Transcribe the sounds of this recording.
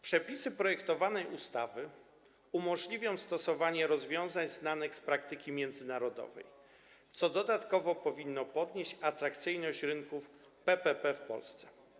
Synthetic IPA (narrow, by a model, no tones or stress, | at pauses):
pʂɛpʲisɘpɾɔjɛkt̪ɔvanɛjust̪avɘ | umɔʐlʲivʲjɔ̃w̃st̪ɔsɔvaɲɛɾɔzvʲjɔ̃w̃zaɲznanɘxspɾakt̪ɘkʲimʲjɛnd̪zɘnaɾɔd̪ɔ̰vɛ̰j | t̪sɔd̪ɔd̪at̪kɔvɔpɔvʲinːɔpɔd̪ɲeɕt͡ɕat̪ɾakt̪sɘjnɔɕt͡ɕɾɘŋkuf | pɛpɛpɛfpɔ̰lst̪sɛ̥